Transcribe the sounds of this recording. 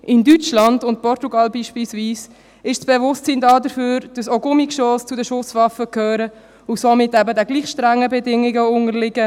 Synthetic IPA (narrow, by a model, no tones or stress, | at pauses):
ʔɪndyt͡ʃlɑndʊnt̚pɔɾtuɡɑlbiːʃpilsviːs | ɪʃsb̥ɛvʊstt͡sindɑːdəɾføːɾd̥ɑsoɡʊmikʃɔːst͡sudəʃʊsvɑfəkʰøːɾə | ʊsomɪtːæbədɛɡliːχʃtɾæŋːəbɛdɪŋːɪɡəʊŋəɾlɪɡə